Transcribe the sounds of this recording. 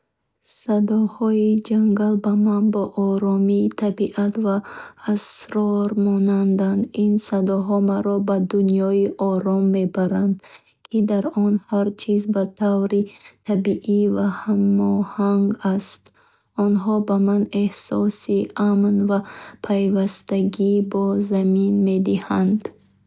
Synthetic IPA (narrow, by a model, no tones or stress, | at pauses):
sad̪ɔhɔid͡ʒaŋɡalbamanbɔʔɔɾɔmit̪ʰabiʔat̪vaːsɾɔɾmɔnand̪and̪insad̪ɔɦɔmaɾɔbad̪unjɔiʔɔɾɔmːe̞baɾand̪ | kʰid̪aɾɔnhaɾt͡ʃʰizbat̪ʰavɾit̪ʰabiʔivahamɔhaŋɡast̪ | ɔnɦɔbamane̞hsɔsiʔamnvapʰajvast̪aɡibɔzaminme̞d̪ihand̪